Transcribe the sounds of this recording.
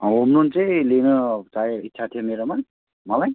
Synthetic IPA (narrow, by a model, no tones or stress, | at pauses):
ɦomnunt͡sʌj̃lenʌt͡sajitːsʰat̪ʰijomeɾoman | mʌlaj